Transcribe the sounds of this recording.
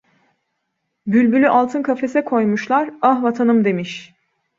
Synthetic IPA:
bylʲbylʲyʔalˠt̪ʰɯnkʰafe̞sɛkʰo̞jmuʃlˠaɾaɦvat̪ʰanɯmd̪e̞miʃ

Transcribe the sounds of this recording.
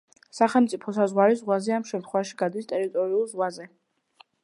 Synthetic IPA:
saχɛlmt̪sʼipʰɔsazʁwaɾizʁwazɛamʃɛmt̪χwɛvaʃi̥ɡad̪ist̪ʼɛɾit̪ʼɔɾiulˠzʁwazɛ

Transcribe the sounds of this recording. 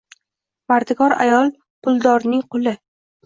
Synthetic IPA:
vaɾd̪ɪɡɒɾa̰jɒlˠ | qʰʊlˠd̪ɒɾnɪŋqʰʊlɪ

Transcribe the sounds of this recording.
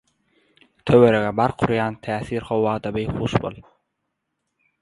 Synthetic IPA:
t̪ʰøweɾeɣebɑɾqʰuɾjɑːnt̪ʰæːθiːɾχowːɑːd̪ɑbejχuːʃbo̰lˠ

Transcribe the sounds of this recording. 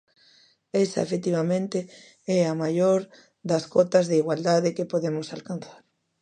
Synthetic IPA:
ɛsɐ̰ḛfet̪iβamẽnt̪e | ɛamajoɾ | d̪ɐskɔt̪ɐzðeiɣwald̪aðɪkɪpoðemʊsalkan̟θḁɾ

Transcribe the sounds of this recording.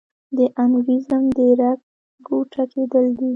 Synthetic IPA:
d̪əʔanɡizamd̪əɾak̚ | ɡoʈʰakʰed̪əld̪i

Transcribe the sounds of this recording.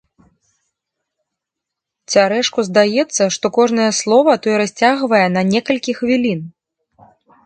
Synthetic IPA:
t͡sʲaɾɛʂkuzd̪ajɛt̪sːɐʂt̪ɔkɔʐnɐjɐslˠɔvɐt̪ɔjɛɾasʲt͡sʲaɣvɐjɛnɐnʲɛkɐlʲkʲixvʲilʲin

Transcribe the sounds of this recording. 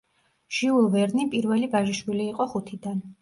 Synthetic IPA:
ʒ̥iulˠvɛɾnipʼiɾvɛlibaʒiʃwiliːqʼɔχut̪ʰid̪an

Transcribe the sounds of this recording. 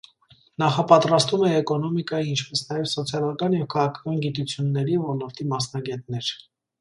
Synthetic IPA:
nɑχɑpɑt̪ɾɑst̪vumɛːkɔnɔmikɑjiint͡ʃʰpɛsnɑjɛvsɔt͡sʰjɑlɑkɑnjɛvkʰɑʁɑkʰɑ̥kɑnɡit̪ut͡sʰjunːɛɾivɔnɔɾt̪ʰimɑsnɑɡɛt̪nɛɾ

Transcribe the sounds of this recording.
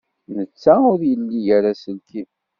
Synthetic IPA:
nət͡sːæʊɾjəlːijæɾasəlki

